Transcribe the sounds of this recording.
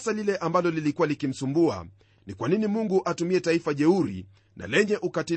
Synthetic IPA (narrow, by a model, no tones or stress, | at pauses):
salilɛʔambalɔlilikualikim̩sumbua̰ | nikwaninimuŋɡuʔatumiɛtaifaʄɛuɾḭ | nʔa̰lɛɲɛʔukati